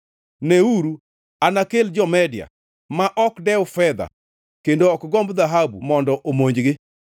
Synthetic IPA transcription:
neuɾu | anakeld͡ʒɔmɛdja̰ | maʔɔkdɛʊfɛd̪a̰ | kendoɔkɡɔmbd̪aɦabumɔndɔʔomoɲd͡ʒɡɪ

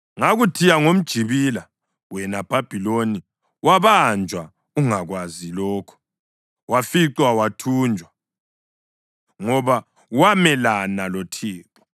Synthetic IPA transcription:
ŋaɣutʰijaŋom̩d̥ʒ̥ʱiβila | wɛnab̥ʱab̥ʱiloni | waβand͡ʒʱwa | uŋaɣwazilɔːkʰɔ̥ | wafiǀwawatʰuːnd͡ʒʱwa | ŋɔβa | wamɛlanalɔtʰiːtʼɔ̥

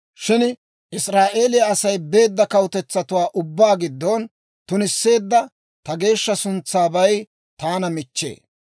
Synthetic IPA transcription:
ʃɪn | ʔɪsɾaːʔe̞ːlɪjɐɐsɐjbe̞ːd̪ːɐkɐwʊt̪ɛt͡sːɐt̪ʊwaːʔʊbːaːɡɪd̪ːɔn | t̪ʊnɪsːe̞ːd̪ːɐ | t̪ɐɡe̞ːʃːɐsʊnt͡sːaːbɐj | t̪aːnɐmɪt͡ʃːḛː

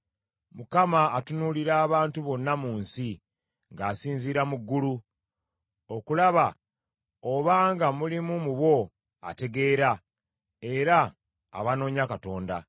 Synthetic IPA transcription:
mukamaːtunuliɾaːβaːntuβo̞nːamuːnsi | ŋɡaːsiːnziːɾamuɡːulu | o̞kulaβa | oβaːŋɡamulimumuβwo̞ | a̰te̞ɡe̞ːɾa | e̞ɾa̰ː | βano̞ːɲakato̞ːnda

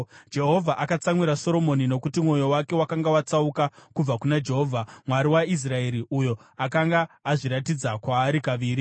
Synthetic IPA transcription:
d͡ʒe̞ɦo̞vʱaʔakat͡samwiɾaso̞ɾo̞mo̞nino̞kutimwo̞jo̞wake̞wakaŋɡawat͡saukakub͡vakunad͡ʒe̞ɦo̞ːvʱamwaɾiwais̬rae̞ɾiʔujo̞akaŋɡaːʐiɾatid͡zakwaːɾikaʋiːɾi

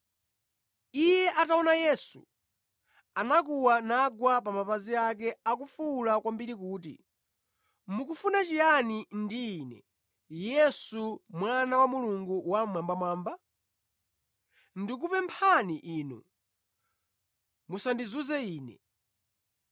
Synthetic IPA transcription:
ijɛʔataɔnajɛsṵ | anak̬uwanaɡwap̬amapaziak̬ɛak̬ufulakwambiɾikuːtḭ | mukufunat͡ʃijanindiːnɛ̰ | jɛsumwanawamuluŋɡuwamwambamwaːmba | ndik̬upɛmpʰaniʔiːnṵ | musandizuzɛiːnɛ̰

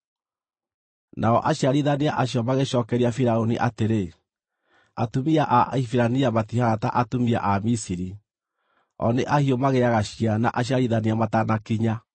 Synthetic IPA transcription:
naɔʔaɕiaɾiðaniaʔaɕiɔmaɣeɕɔːkɛɾiafiɾaoniʔateɾe | atumiaʔaʔifiɾaniamatihaɣata̰ʔatumia̰ʔamisiɾi | ɔ̰neʔahiɔmaɣeaɣaɕiana̰ʔaɕ̬iaɾiðaniamatanakiɲa

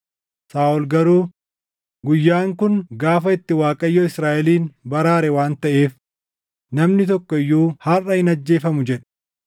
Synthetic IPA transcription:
saːʔʊlɡɐɾuː | ɡʊjːaːŋkʊnɡaːfɐɪt̪ːɪwaːkʼɐjːɔɪsɾaːʔɛliːnbɐɾaːɾɛwaːnt̪ɐʔe̞ːf | nɐmnɪt̪ɔkːɔɪjːuːhɐrɐhɪnɐd͡ʒːe̞ːfɐmʊd͡ʒɛᶑ̥

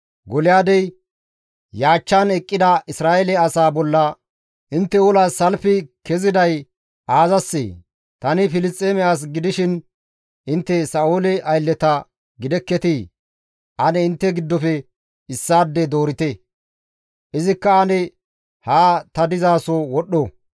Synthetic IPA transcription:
ɡɔlɪjaːd̪ɛj | jaːt͡ʃːanɛkʼːɪd̪ɐʔɪsɾaːɛlɛɐsaːbɔlːɐ | ʔɪnt̪ːɛwɔlaːɐlfɪkɛzɪd̪ɐj | ʔaːzɐsːḛː | t̪ɐnɪfɪlɪst̪ʼeːmɛaːs̬ɡɪd̪ɪʃɪn | ʔɪnt̪ːɛsɐoːlɛʔɐjlːɛt̪ɐ | ɡɪd̪ɛkːɛt̪i | ʔɐnɛɪnt̪ːɛɡɪd̪ːɔfɛ | ɪsːaːd̪ːɛd̪o̞ːɾɪt̪ɛ | ʔɪzɪkːɐːnɛ | haːt̪ɐd̪ɪzaːsɔwɔɗɔ

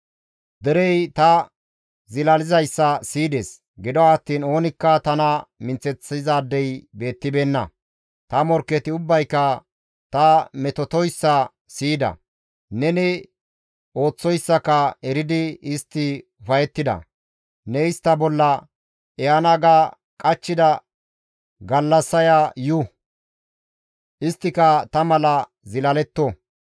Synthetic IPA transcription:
d̪ɛɾɛjt̪ɐ | zɪlɐlɪzɐjsːɐsiːd̪eːs | ɡɪd̪ɔwaːt̪ːiːno̞ːnɪkːɐt̪ɐnɐmɪnt͡sːɛt͡sɪzaːd̪ːɛjbe̞ːt̪ːɪbeːnːɐ̰ | t̪ɐmɔɾkːɛt̪ɪʊbːɐjkːɐ | t̪ɐmɛt̪ɔt̪ɔjsːɐ | siːd̪ɐ̰ | nɛnɪ | o̞ːt͡sːɔjsːɐkɐɛɾɪd̪ɪɪst̪ːɪʊfɐjɛt̪ːɪd̪ɐ̰ | nɛɪst̪ːɐbɔlːɐ | ɛɐnɐɡa | kʼɐt͡ʃːɪd̪ɐ | ɡɐlːɐsːɐjajʊ | ʔɪst̪ːɪkɐt̪ɐmɐlɐ | zɪlɐlɛt̪ːɔ

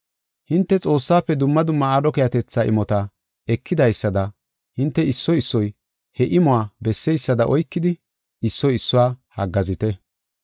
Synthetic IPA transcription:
hɪnt̪ːɛt͡sʼo̞ːsːaːpːɛd̪ʊmːɐd̪ʊmːɐaːd̪ɔkɛjɐt̪ɛt͡sːaːʔɪ̰mɔt̪ɐ | ɛkːɪd̪ɐjsːɐd̪ɐ | hɪnt̪ːɛɪsːɔjɪsːɔj | hɛʔɪmɔaːbɛsːɛjsːɐd̪ɐʔɔjkːɪd̪ɪ | ɪsːɔjɪsːʊwaːhɐɡːɐzɪt̪ɛ

